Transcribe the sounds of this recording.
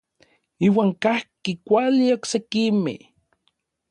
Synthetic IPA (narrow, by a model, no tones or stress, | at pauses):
iːwaːŋkahkikʷalioksekimḛh